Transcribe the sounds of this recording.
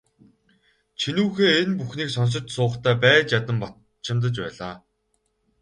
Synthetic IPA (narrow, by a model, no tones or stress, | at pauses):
t͡ɕʰinuːxeːenpuxniːksɔns̬ɞ̆t͡ɕsʊːχt̪ʰæːpæːt͡ɕjat̪ə̆mpɔ | t͡ɕʰɪ̆mt̪̬ə̆t͡ɕpæ̰ːɮaː